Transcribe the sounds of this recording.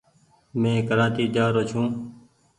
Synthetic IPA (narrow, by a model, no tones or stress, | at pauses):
mẽːkəɾãːt̪iːd͡ʒaːɾoːt͡ʃʰũː